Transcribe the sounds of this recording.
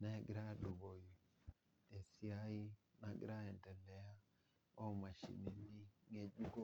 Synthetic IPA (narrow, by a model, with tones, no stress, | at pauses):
nɛ˦ɡɾa˦du˨bo˨ji˨ | te˨si˦a˦i˦na˨ɡɾa˦ɛ˨ntɛ˨lɛ˨a˦ | o˦ma˨ʃḭ˨ni˨ni˦ŋe˨d͡ʒu˦ko˦